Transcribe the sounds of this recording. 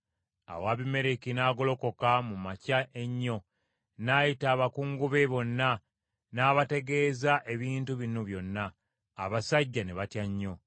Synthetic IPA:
a̰waːβime̞ɾekinaːɡo̞lo̞ko̞kamumacaʔe̞ɲːo̞ | naːjitaːβakuːŋɡuβeβo̞nːa | naːβate̞ɡe̞ːzaʔe̞βiːntuβinuβjo̞nːaː | βasaɟːane̞βatjaɲːo̞

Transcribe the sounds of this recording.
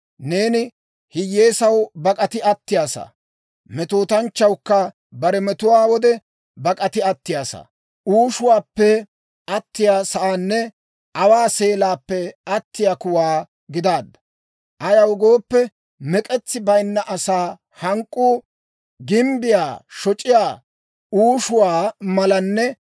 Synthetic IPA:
ne̞ːnɪ | hɪjːe̞ːsɐwbɐkʼɐt̪ɪɐt̪ːɪjaːsɐ̰ː | mɛt̪oːt̪ɐnt͡ʃːɐwkːɐ | bɐɾɛmɛt̪ʊwaːwɔd̪ɛ | bɐkʼɐt̪ɪɐt̪ːɪjaːsa̰ | ʔuːʃʊwaːpːɛ | ɐt̪ːɪjaːsɐʔaːnːɛ | ɐwaːseːlaːpːɛɐt̪ːɪjaːkʊwaː | ɡɪd̪aːd̪ːɐ̥ | ʔɐjɐwɡo̞ːpːɛ | mɛkʼɛt͡sːɪbɐjnːɐʔɐsaː | hɐŋkʼːuː | ɡɪmbɪjaːʃɔt͡ʃʼɪjaː | uːʃʊwaːmɐlɐnːɛ

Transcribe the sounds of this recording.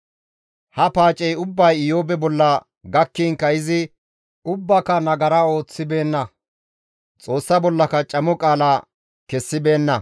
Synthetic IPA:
hɐpaːt͡ʃʼɛjʊbːɐjɪjoːbɛbɔlːɐ | ɡɐkːiːnkɐjɪzɪ | ʊbːɐkɐnɐɡɐɾɐo̞ːt͡sːɪbe̞ːnːɐ | t͡sʼo̞ːsːɐbɔlːɐkɐt͡ʃʼɐmɔkʼaːla | kɛsːɪbe̞ːnːɐ

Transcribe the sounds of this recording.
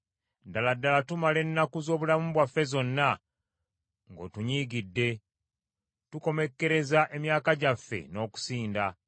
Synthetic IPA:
daladːalatumale̞nːakuzo̞ːβulamuβwafːe̞zo̞nːa | ŋɡo̞̰tuɲiːɡidːe̞ | tuko̞me̞kːe̞ɾe̞zaʔe̞mjaːkaɟafːe̞̰no̞ːku̥siːnda

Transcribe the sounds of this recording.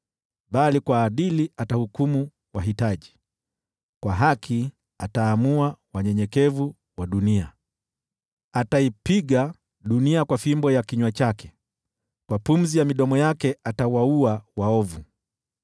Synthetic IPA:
ɓalikwaːɗiliatahukumu | waɦitaʄi | kwaɦakʰi | ataːmuawaɲɛɲɛkɛvu | waɗunia | ataipiɠa | ɗuniakwafimbɔjakiɲwat͡ʃakɛ̥ | kwapum̩zijamiɗɔmɔjakɛatawauawaɔvu

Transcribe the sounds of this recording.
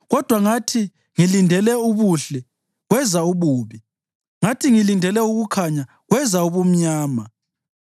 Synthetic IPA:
ɣɔd̥ʱwaŋatʰi | ŋilindʱɛlɛuβuɬɛ | ɣwɛzauβuːβi | ŋatʰiŋilindʱɛlɛuɣukʰaɲa | ɣwɛzauβum̩ɲaːma

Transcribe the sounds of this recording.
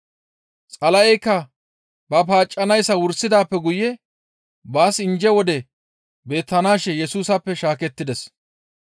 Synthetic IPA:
t͡sʼɐlɐjɛjkːɐ | bɐpaːt͡ʃʼːɐnɐjsɐwʊɾsɪd̪aːpːɛɡʊjɛ | baːsɪnd͡ʒɛwɔd̪ɛ | be̞ːt̪ːɐnaːʃɛjɛsuːsɐpːɛʃaːkɛt̪ːɪd̪ɛs

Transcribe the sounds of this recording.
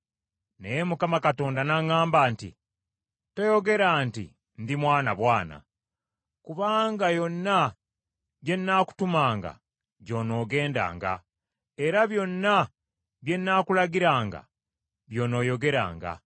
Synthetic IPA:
nejemukamakato̞ːndanaŋaːmbaːntḭ | tojo̞ɡe̞ɾaːntḭ | ndimwaːnaβwaːna̰ | kuβaːŋɡajo̞nːa | ɟe̞nːaku̥tumaːŋɡa̰ | ɟo̞ːno̞ːɡe̞ːnda̰ːŋɡa̰ | e̞ɾaβjo̞nːa | βje̞nːaːkulaɡiɾaːŋɡa̰ | βjo̞ːno̞ːjo̞ɡe̞ɾa̰ːŋɡa̰

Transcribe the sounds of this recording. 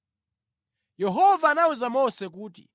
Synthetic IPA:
jɛɦɔvaːnauzamɔsɛkuːtḭ

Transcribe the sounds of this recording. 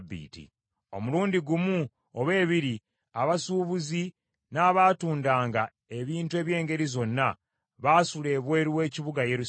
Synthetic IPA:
bːḭːtḭ | o̞̰muluːndiɡumu | oβe̞ːβiɾi | aβasuːβuzi | naːβaːtuːndaːŋɡa | e̞βiːntue̞ːβje̞ːŋɡe̞ɾizo̞nːa | βaːsule̞ːβwe̞ːɾiwe̞ːciβuɡajeɾu

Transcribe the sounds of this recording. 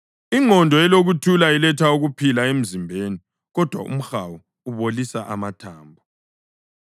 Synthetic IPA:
iŋɔndʱɔɛloɣutʰulailɛtʰauɣupʰilaem̩zimbʱeːni | ɣɔd̥ʱwa̰ṵm̩xawu | uβolisaʔa̰matʰaːmbʱɔ

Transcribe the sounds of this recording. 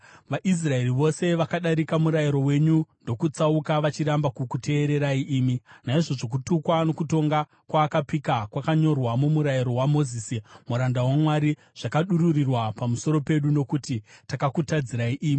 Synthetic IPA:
ʋaʔis̬rae̞riʋo̞se̞ʋakaɗaɾikamuɾajiɾo̞we̞ɲundo̞kut͡saukaʋat͡ʃiɾambakukutʰe̞ːɾe̞ɾaiʔiːminaiʐo̞ʐo̞k̬utukwano̞kuto̞ŋɡa | kwaːkapikakwakaɲo̞rwamumuɾaiɾo̞wamoziːsimuɾandawamwaɾi | ʐ̥akaɗuɾurirwapamuso̞ɾo̞pe̞ɗuno̞kutitakakutad͡ziɾaiʔiːmi

